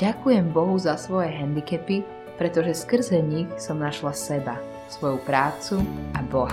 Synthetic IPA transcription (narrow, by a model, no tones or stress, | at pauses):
akujɛmbɔɦuzasʋɔjɛɦɛnd̪ikɛpi | pɾɛt̪ɔʒɛskr̩zɛɲixsɔmnaʃlasɛba | sʋɔjupɾaːt͡suʔabɔɦa